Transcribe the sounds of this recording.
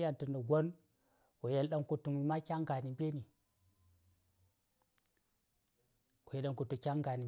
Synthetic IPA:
ja˦˨ntə˨nə˨ɡʷo˦n | wo˨je˦lɗa˦ŋku˨tu˨m˨ma˦kʲa˦ŋɡa˨ni˨mbʲe˦ni˨ | ko˨je˨ɗa˨ŋku˨tu˨kʲa˦ŋɡa˨ni˨

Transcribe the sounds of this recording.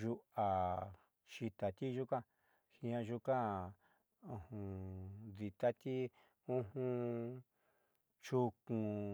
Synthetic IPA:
ʒu˧a˨ | ʃi˧t̪a˨t̪i˦ʒu˦kã˦ | hĩ˧ã˧ʒu˦kã˦˨ | ũ˧hũ˧ði˧t̪a˦t̪i˦ | ũ˦ɦũ˦ | t͡ʃu˧kũ˧

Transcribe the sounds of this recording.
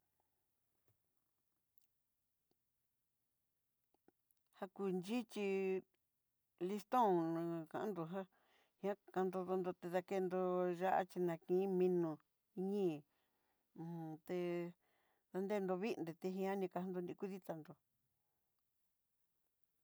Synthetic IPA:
ha˧ku˧˨nd͡ʒi˦t͡ʃi˧ | li˧st̪õ˦˨nã˧kã˧ʔã˦nd̪o˧ɦã˦ | hĩ˧ã˦ka˧nd̪o˧ðo˧nd̪o˧t̪e˧ða˧ke˧nd̪o˧ʒa˦ʔa̰˦t͡ʃi˧nã˧kĩ˧˨˦mĩ˧nũ˧ | i˧ɲĩː˦˧˨ | t̪e˧ | ða˧nd̪e˦˧nd̪o˧βi˦˧nd̪e˨˧t̪e˧ɦĩ˧ã˦nĩ˧ka˧ha˧nd̪o˧nĩ˧ku˦ði˦t̪a˧nd̪o˨

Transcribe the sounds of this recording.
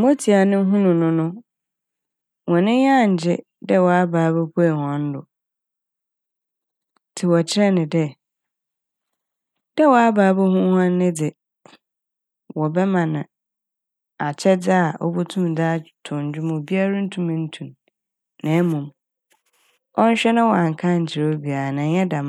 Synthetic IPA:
mo˦tʰi˨a˨nɪ̃˦ɦũ˦nʊ̃˨nʊ̃˦nʊ̃˦ | wɔ̃˨nɪ̃˦ɲã˦˨ɲ̩˨d͡ʑɪ˦ | dɛ˦wɔ˨a˦baː˨˦bɛ˦pʰu˦ɛ˨hɔ̃˨n̩˦dʊ˨ | tʰɪ˨wɔ˨t͡ɕʰɪ˦ɾɛ˦nɪ̃˨dɛ˦ | d̥ɛ˦wɔ˨a˦baː˨˦bo˦hʊ̃˦hã˦n˦nɪ̃˦dɪ˨ | wɔ˨bɛ˦mã˨nã˨ | a˨t͡ɕʰɛ˦d͡zɪ˦a˨ʔɔ̰˦bu˦tʰũ˦mdaː˦tʰʊ˨ɲ̩˨d͡ʑᶣʊ˦m˨bi˦a˦ɾa˦n̩˦tʰũ˨mɪ̃˨n̩˦tʰũ˨nː | ã˨˦mũ˨m | ɔ˦n̩˦ɕᶣɛ˦nʊ̃˦wɔ˨a˨ŋ̩˨kʰã˦ɲ̩˨d͡ʑʰɪ˨ɾo˦bi˨a˨nã˨jɛ˦dã˨m˨

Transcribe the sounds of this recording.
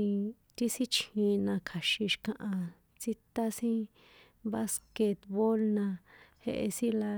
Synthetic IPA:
ĩ˧ | t̪i˦sĩ˦t͡ʃĩ˧nã˧kʰa˨ʃi˧ʃkã˧ʔã˧ | t͡si˧t̪a˦sĩ˦ | βa˦ske˧t̪βo˦lnã˧hḛ˧ʔḛ˧sĩ˦la˧

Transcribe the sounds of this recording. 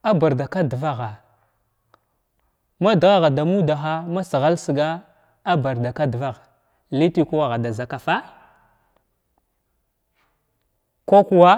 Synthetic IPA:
a˦ba˨ɾda˨ka˦dva˦ɣa˨ | ma˦dɣa˦ɣa˨da˨mu˦da˨xa˦ma˦si˨ɣa˦lsə˨ɡa˦ | a˦ba˨ɾda˨ka˦dva˦ɣa˨ | li˦ti˦ku˦wa˦˨ɣa˨da˨za˨ka˨fa˦ | ko˦ku˦wa˦

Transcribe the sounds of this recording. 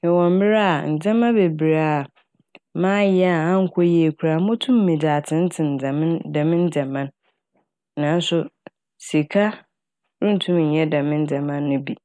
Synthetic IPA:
ɛ˨wɔ̃˨m˦bɪ˦ɾa˦˨n̩˨d͡zɛ̃˦mã˦be˨bi˨ɾa˨ | mãː˦jɛ˦a˨ã˦ŋ̩˦kʷʰɔ˦je˨kʰʷu˨ɾa˨mʊ̃˦tʰũ˦mː˦ĩ˨daː˨tʰɪ̃˨˦n̩˦tʰɪ̃˨n̩˨d͡za˨m̃˦ndã˨mɪ̃˦n˦d͡za˨mã˦n | nãː˨˦n˦sʊ˦ | si˨kʰa˦ | ɾʊ̃˦n̩˨tʰũ˦m˨n̩˨ɲɛ˦dã˨mɪ̃˦n˦d͡za˨mã˦nːʊ̃˦bi˨

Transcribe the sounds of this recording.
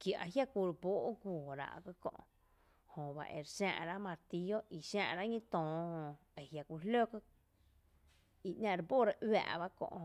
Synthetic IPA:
kja˨ʔa˧ɦja˦kʷu˧ɾboː˦ʔɡʷuː˨ɾa̰˧ʔkə˧kõ̰˧ʔ | hõ˨ba̰˨ʔḛ˨ɾʃã̰ː˧ʔɾa˦mã˧ɾt̪i˧jo˦ʔi˨ʃãː˧ʔɾa˦ʔɲĩ˦t̪ɔ̃ː˨hõ˧ | e˨ɦja˧kʷi˧lo˦kə˦˧ | i˧ʔnʲã˧ɾbo˦ɾa˦ʔʔwa̰ː˧˨ʔba˦kõ̰˧ʔ

